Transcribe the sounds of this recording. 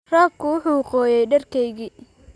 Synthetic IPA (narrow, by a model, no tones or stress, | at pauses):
raːb̚kʰʊwʊħuːwɑqɔːjɛjɖɐrkʰɛjɣiː